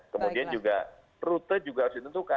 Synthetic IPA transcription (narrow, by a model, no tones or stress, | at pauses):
kəmodiand͡ʒuɡa | ɾut̪əd͡ʒuɡasit̪ənt̪uka